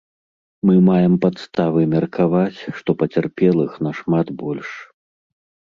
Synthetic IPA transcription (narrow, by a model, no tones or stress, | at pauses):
mɨmajɛmpat̪st̪avɨmʲɐrkʰavat͡sʲʂt̪ɔpɐt͡sʲarpʲɛlˠɨxnɐʂmat̪bɔlʲʂ